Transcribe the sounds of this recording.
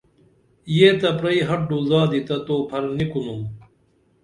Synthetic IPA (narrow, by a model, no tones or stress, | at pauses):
ijet̪ɐpɾɐiɦɐʈ̚ɖuzaːd̪it̪ɐt̪oːpʰɐɾnikunum